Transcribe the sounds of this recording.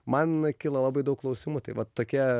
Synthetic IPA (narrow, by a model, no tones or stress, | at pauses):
mɐnkʲiːlˠɐlˠɑːbɐɪd̪ɐʊklˠɐʊsʲɪmʊt̪ɐɪʋɐtt̪ːoːkʲiɛ